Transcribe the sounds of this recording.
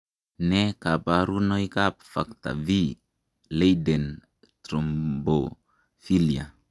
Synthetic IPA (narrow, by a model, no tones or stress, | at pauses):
nɛkapaɾunɔjkap̚fak̚t̪a̰vi | lejdɛn | t̪ɾɔmbo | filia̰